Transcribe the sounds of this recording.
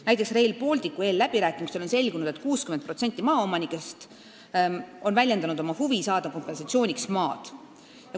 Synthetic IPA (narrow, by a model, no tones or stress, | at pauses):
næjt̪ːˑesre̞ːlpo̞ːld̪ikːue̞ːlːæb̥iɾæːkːˑimust̪olense̞lʲɡunud̪̥e̞t̪̚ːˑkuːskymen̚pro̞t̪se̞nʲt̪ʲːˑimɑːo̞mɑnikːˑe̞st̪ | o̞nvælʲjend̪ɑnud̪o̞mɑhuvisɑːd̪̥ɑko̞mpːˑe̞nsɑt̪sio̞ːnʲiksmɑːd̪̥ | jɑ